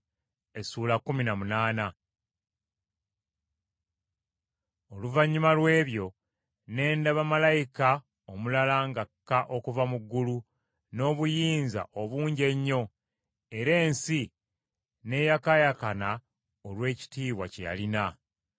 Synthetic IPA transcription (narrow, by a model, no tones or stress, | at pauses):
e̞suːlakːuminamunaːna | o̞luvaɲːumalwe̞ːβjo̞ | ne̞ːndaβamalajika | omulalaŋɡakːaʔo̞kuvamuɡːulu | no̞ːβujiːnza̰ʔoβuːɲɟe̞ɲːo̞ | e̞ɾe̞ːnsi | ne̞jakajakana | olwe̞ːci̥tiːβwa̰cḛja̰lina